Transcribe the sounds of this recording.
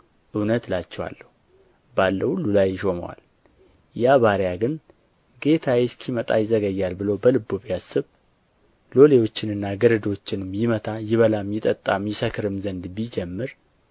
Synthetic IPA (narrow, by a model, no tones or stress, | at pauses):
ʔɨwnət̪lat͡ʃːɛwa̰lːəhu | balːəhulːulajʃo̞mə̰wa̰l | jaβaɾjaɡɨn | ɡe̞t̪ʰajɛskʰimət̪ʼa̰jɪzəɡəjːalbɨləwbəlɨbːoβjasːɨβ | lo̞le̞wo̞t͡ʃːɪnɨnːaɡəɾəd̪ot͡ʃːɪnɨmjɪmət̪ʰajɪβəlamjɪt̪ʼət̪ʼːamjɪsəkʰɨɾɨmzənd̪bid͡ʒɛmːɨɾ